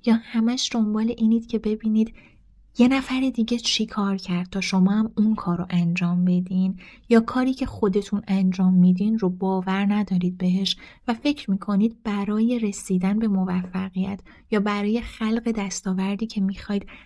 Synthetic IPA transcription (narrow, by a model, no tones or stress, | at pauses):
jɒːhæmæʃd̪o̞mbɒːle̞ʔiːniːd̪̥cʰe̞be̞biːniːd̪ | je̞næfæɾed̪iːɟe̞t͡ʃʰekʰɒːɾcʰæɾd̪̥̚t̪ʰɒːʃo̞mɒːhæmunkʰɒːɾoʔænd͡ʒɒːmbe̞d̪injɒːkʰɒːɾiːcʰe̞xo̞d̪e̞t̪ʰunænd͡ʒɒːmːiːd̪iːnrobɒːvæɾnæd̪ɒːɾiːd̪̚be̞ɦe̞ʃvæfe̞cʰɾmiːkʰo̞niːd̪̚bæɾɒːje̞ɾe̞siːd̪ænbe̞mo̞væfːæɣijæt̪ʰ | jɒːbæɾɒːje̞xælɢe̞d̪æst̪ɒːvæɾd̪iːcʰe̞mixɒːjd̪̥